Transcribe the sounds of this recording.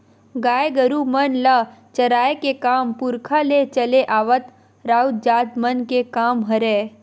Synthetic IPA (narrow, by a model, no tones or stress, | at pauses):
ɡaːeɡəɾumənlət͡ʃɐɾaːjekekaːmpʊɾkʰalet͡ʃɐleʔaːʋət̪ | ɾaːud͡ʒaːd̪mənkekaːmɦɐɾeː